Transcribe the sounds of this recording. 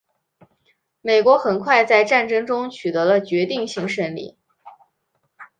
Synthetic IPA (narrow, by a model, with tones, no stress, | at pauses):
me˨˩ɪkwɔ˧˥xə˨˩nkʰwa˥˧ɪt͡sa˥˧ɪʈ͡ʂa˥˩nʈ͡ʂɤ˥ŋʈ͡ʂʊ˥ŋt͡ɕʰy˨˩t̪ɤ˧˥lə˧t͡ɕɥɛ˧˥t̪i˥˩ŋɕi˧˥ŋʂə˥nlḭ˨˩˦